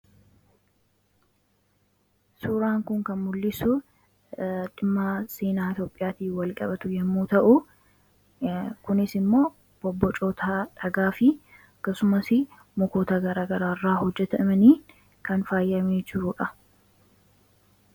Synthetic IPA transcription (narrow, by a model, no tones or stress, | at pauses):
suːɾaːŋkʊŋkɐnmʊlːɪsʊ | ᶑɪmːaːseːnaːɪt̪joːpʼːɪjaːt̪iːfwɐlkʼɐ̰bɐt̪ʊjɛmːuːt̪ɐʔʊ | kʊnɪsɪmːo̞ː | b̥ɔbːɔt͡ʃʼoːt̪ɐᶑɐɡaːfɪ | ɐkːɐsʊmɐsɪ | mɔkoːt̪ɐɡɐɾaːɡɐɾaːrːaːhɔd͡ʒːɛt̪ɐɪmɐniː | kɐnfaːjːɐmeːd͡ʒɪɾʊᶑɐ